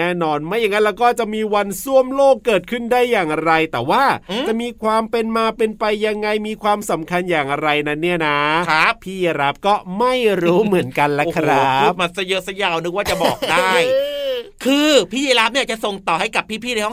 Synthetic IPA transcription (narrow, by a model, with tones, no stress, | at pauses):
ɛː˥˩nɔː˧nma˥˩jːa˧ŋa˦˥lɛː˦˥wkɔː˥˩t͡ɕa˨˩ʔmiː˧wa˧nsu˥˩əmloː˥˩kːɤː˨˩t̪̚kʰɯ˥˩ndaː˥˩jːaː˨˩ŋɾa˧jt̪ɛː˨˩waː˥˩t͡ɕa˨˩ʔmiː˧kʰwaː˧mpe˧nmaː˧pe˧npa˧jːa˧ŋːa˧jmiː˧kʰwaː˧msa˩˦mkʰa˧njaː˨˩ŋɾa˧jna˦˥nːi˥˩ɐna˦˥a˦˥p̚pʰiː˥˩ja˧ɾa˦˥p̚kɔː˥˩ma˥˩jɾuː˦˥mɯ˩˦ənka˧nla˦˥kʰɾa˦˥u˦˩ma˧˩t̪sa˧jɤː˧˦sa˧jaː˨˩wnɯ˦˥k̚waː˥˩t͡ɕa˨˩bɔː˨˩k̚daː˩˥˩j | kʰɯː˧pʰiː˥˩jiː˧˥la˦˥p̚a˧˥˩t͡ɕa˨˩so˨˩ŋt̪ɔː˨˩ha˥˩jka˨˩pʰːiː˥˩pʰiː˥˩na˦jɔ˥˩